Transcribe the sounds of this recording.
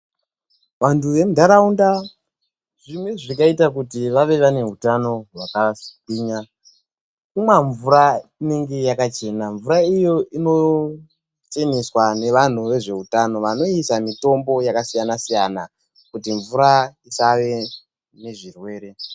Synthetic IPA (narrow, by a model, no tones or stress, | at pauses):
ʋantuʋe̞mudʱaɾaunda | ʐimweʐikaitak̬utiʋaʋe̞ʋane̞ɦutano̞ɦwakaskiːɲa | kumwaɱvuɾaine̞ŋɡe̞jakat͡ʃe̞naɱvuɾaijo̞ino̞ | t͡ʃe̞niswane̞ʋan̤uʋe̞ʐe̞utano̞ʋano̞isamito̞mbo̞jakasijanasijana̰ | kutiɱvuɾaisaʋe̞ | ne̞ʐirwe̞ːɾe̞